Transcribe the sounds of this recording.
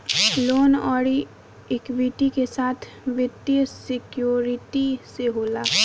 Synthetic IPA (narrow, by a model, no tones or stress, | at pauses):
loːnɔːɽi | ɪkʋiʈikesaːt̪ʰ | ʋɪt̪jəsɪkjoːɾɪʈiseɦoːlaː